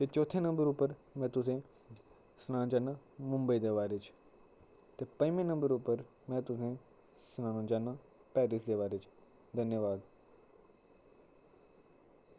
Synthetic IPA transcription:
t̪et͡ʃoːt̪ʰẽnɐ̃mbəɾupəɾmɛ̃ːt̪ʊs̬ẽ | snãːd͡ʒɐnamʊ̃mbəid̪eːʋaːɾet͡ʃʰ | t̪epɐ̃jmẽnɐ̃mbəɾupəɾ | mɛ̃t̪ʊsẽ | snãːnũd͡ʒana | pɛːɾis̬d̪eːʋaːɾet͡ʃʰ | d̪ʱɐnjəʋaːd̪

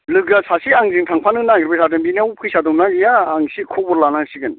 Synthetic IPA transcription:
lɯɡasʰasiaŋziŋtʰaŋpʰanɯŋnaŋɡiɾbɯsʰadɯnbinaupʰɯjsadɔmnaɡijaːŋsikʰɔbɔɾlanasiɡɯn

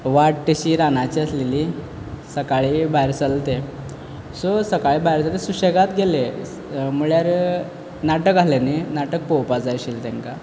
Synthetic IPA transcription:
ʋaʈʈəɕiːɾanat͡ɕiːəsleli | səkaɭibajɾsəlt̪e | sosəkaɭibajɾsəlt̪esuɕəɡat̪ɡele | muɭjaɾ | naʈəkalenenaʈək̚powpad͡zaɕilt̪ẽŋka

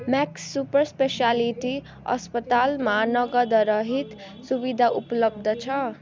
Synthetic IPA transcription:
maksːupʌɾspesialiʈi | ʌ̰spʌt̪almanʌɡʌd̪ʌɾʌɦit̪ | subid̪ʱaʔuplʌb̚d̪ʱʌt͡sʰʌ

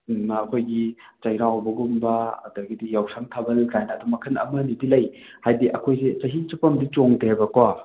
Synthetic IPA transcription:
ɐkʰojɡi | t͡ʃɐjɾawbɐɡumbɐɐ̰dɐɡidijawsʰaŋtʰɐbɐlkajnɐːdumɐkʰɯnɐ̰mɐnidilɐj | hajdiʔɐ̰kʰojset͡ʃɐɦit͡ʃupɐmdit͡ʃoŋteajbɐkwa

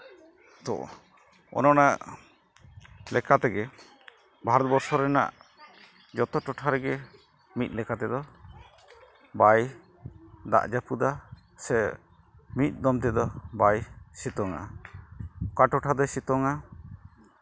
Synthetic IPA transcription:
t̪ɔ̰ʔ | ɔ̰nɔnaʔ | lɛkat̪ɛɡɛ | bʱaɾɔt̪̚bɔɾsɔɾɛna̰ʔ | d͡ʒɔt̪ɔʈɔʈʰaɾɛɡɛ | mit̪̚ˀlɛkat̪ɛd̪ɔ | baj | d̪a̰ʔd͡ʒapud̪a | sɛ | mit̪̚ˀd̪ɔmt̪ɛd̪ɔbajsit̪ɔŋa̰a | kaʈɔʈʰad̪ɔsit̪ɔŋa

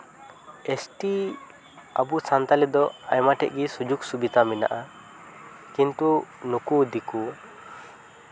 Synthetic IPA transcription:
esʈi | a̰busant̪alid̪ɔajmaʈɛʔ̚ɡisud͡ʒuksubit̪amina̰ʔa | kint̪unukud̪iku

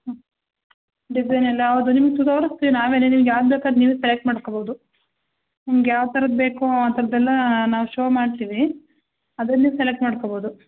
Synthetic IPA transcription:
ɖid͡ʒɐjnɐlːɐɐʋd̪unimɐɡet̪ut̪oʋɾɐst̪iːʋinaːʋeːnenimɐɡjaːʋd̪bekaːd̪niːʋeselek̚ʈmaːɽkoboːd̪u | nimɐɡjaːʋt̪ɐɾɐd̪̚beːkuaːt̪ɐɾɐd̪ɛlːɐnaːʋuʃoːmaːɽt̪iːʋi | ɐd̪ɐnːiselek̚ʈmaːɽkoboːd̪u

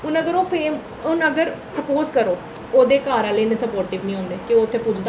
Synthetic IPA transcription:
ʊnəɡəɾoːfʰeːm | ʊnəɡəɾsəpoːzkəɾoː | oːd̪eːkaːɾãːlənẽːsəpoːɾʈɪːʋnĩːɦõːnd̪eːkɪoːt̪ʰːeːpʊd͡ʒʰd̪a

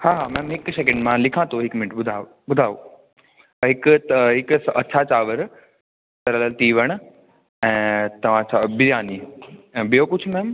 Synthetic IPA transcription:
haːɦaːmɛ̃ːmɦɪksek̬ɛ̃ɳɖmãlɪkʰãt̪ʰoɦɪkmɪnɪʈɓʊd̪ʱaː | bʊd̪ʱaːʋoː | ɦɪkt̪ɦɪkɐːʃʰat͡ɕaːʋəɾ | t̪ɐɾələlt̪iːʋəɽ̃ʊ̆ | ɛ̃ːt̪ɐʋ̤ãt͡ɕʰabɪjaːniːɛ̃ːbijokʊd͡ʑʰmɛːm

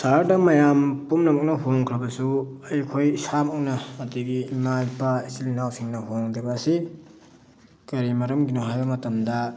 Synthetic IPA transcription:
saɾdɐmɐjampumnɐmok̚nɐɦoŋkʰɾɐbɐsu | ɐjkʰojsamoknɐːdiɡiːmajpɐisilinawsiŋnɐɦoŋdibɐːsi | kɐɾimɐɾɐmɡinoɦajbɐmɐtɐmdɐ

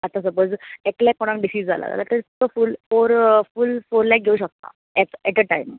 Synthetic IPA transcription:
at̪as̬əpoːd͡zɛklɛkːoɽ̃ãk̚ɖisiːd͡zd͡zʱa̰la̰d͡za̰la̰t̪əɾtəfulfoɾfulfoɾlak̚ɡʱeuːɕək̚t̪a̰ | ɛkɛʈəʈaim

